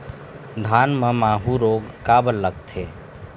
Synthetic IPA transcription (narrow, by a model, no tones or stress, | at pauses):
d̪ʱanmemaɦuɾoɡkabəlːəɡt̪ʰe